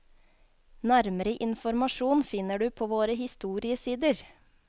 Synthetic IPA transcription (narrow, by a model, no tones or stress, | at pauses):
næɾməɾəʔɪnfɔɾmɑʃuːnfɪnəɖʉːpʰoːʋoːɾəhɪst̪uːɾɪəsiːd̪əɾ